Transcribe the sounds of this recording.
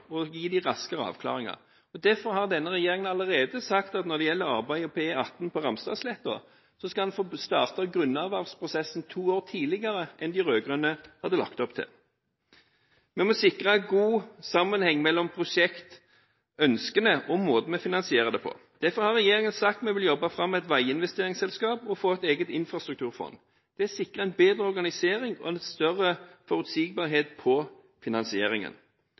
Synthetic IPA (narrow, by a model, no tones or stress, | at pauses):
ɔjiːd̪ɪɾɑskəʁəɑ̰ːʋkʰlɑ̰ːʁɪŋɑ̰ʁ | ɔd̪æɾfɔɾhɑʁd̪ɛnːəʁɛjeːɾɪŋənɑləʁeːd̪əsɑkt̪ɑt̪nɔɾd̪ɛjɛlːəɾɑʁbæɪɔpʰeːɑt̪ːnpʰɔɾɑmst̪ɑ̰ːslɛt̪ːʊə̰ | sɔskɑhɑnfoːst̪ɑːʁt̪ɑɡɾʉnːɑʋɑʁspʰʁʊsɛsn̩t̪ʰuːoːʁt̪ʰiːlɪɡɑɾəʔɛnd̪ɪɾøːɡʁœnəhɑd̪ːəlɑ̰kt̪ɔpt̪ʰɪ̰l | mɛnmɔsɪkʁɑɡuːsɑmːənhɛŋːmɛlːɔmpʰʁʊʃɛkt̪ | œnskənəʔɔmoːd̪ən̩mɛfɪnɑnsɪeːʁəd̪ɛpʰɔ̰ | d̪̥æfɔɾhɑʁɛjeːɾɪŋənsɑkt̪mɛʋɪljɔbːɑfɾɑmːæɛt̪ʋæɪɪnʋɛst̪eːʁɪŋsɛlskɑːpɔfoːɛt̪eːɡət̪ɪnfʁɑst̪ɾʉk̚t̪ʰʉːʁfɔ̰nd̪ | d̪̥ɛæsɪkʁəɛnbeːd̪ɾəɔɾɡɑnɪseːɾɪŋɔ̰lst̪œʁəfɔɾʉt̪siːɡ̚bɑːʁɦeːt̪pʰɔ | fɪnɑnsɪeːɾɪŋə̰n